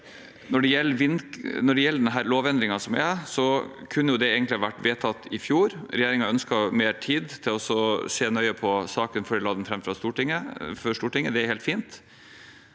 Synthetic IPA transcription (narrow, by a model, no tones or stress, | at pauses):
nɔɖɛjɛlːəʋɪnnɔɖɛjɛlːəɖɛnɦæːɾloːʋɛnd̪ɾɪŋɑsɔmʋɪ̰æsɔkʰʉnːəjʊd̪ɛeːɡənt̪lɪɑʋæʈːʋeːt̪ʰɑt̪ːɪfjuːɾɾɛjeːɾɪŋɑœnskɑmeːɾʈʰiːd̪t̪ʰɪlɔɔsɔseːnœʏəpʰɔsɑːkənfɔɖɪlɑːd̪ənfɾɛmfɾɑst̪uːʈɪŋəfɔʂʈ̪uːʈɪŋːəd̪ɛæɾhɛːlt̪fiːnt̪